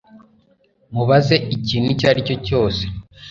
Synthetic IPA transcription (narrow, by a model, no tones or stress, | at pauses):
muβaze̞ʔiciːnucaɾico̞co̞ːse̥